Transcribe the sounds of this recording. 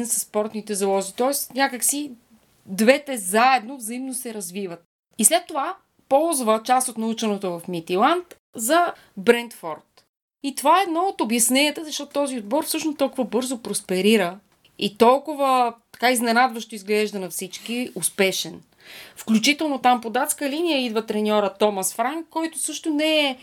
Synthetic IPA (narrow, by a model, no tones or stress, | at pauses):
nɛsəspɔɾt̪nit̪ɛzɐlˠɔʒit̪ɔɛsnʲakəksi | d̪vɛt̪ɛzaɛd̪novzɐimnosɛɾɐzvivət̪̚ | islɛt̪ːova | pɔlˠzvət͡ʃast̪ot̪nɐut͡ʃənɛt̪ovɐfmit̪ilˠant̪ | zɐ | bɾɛnt̪fɔɾt̪ | it̪ovaɛːd̪nɔot̪objɐsnɛnʲiət̪əzɐʃtɔt̪ʊt̪ɔziod̪̚bɔɾfsɤʃnost̪ɔlˠkʊvəbɤɾzopɾospɛɾiɾə | it̪ɔlˠkʊvət̪ɐ̥kaiznɛnad̪vəʃt̪oizɡlɛʒd̪ənɐfsit͡ʃk̟iʊspɛʃɛn | fklʲut͡ʃit̪ɛlˠnot̪ampod̪at̪skəlinijəid̪vət̪ɾɛnʲɔɾət̪ɔmɐsfɾaŋkːɔjt̪ʊsɤʃt̪ʊnɛɛ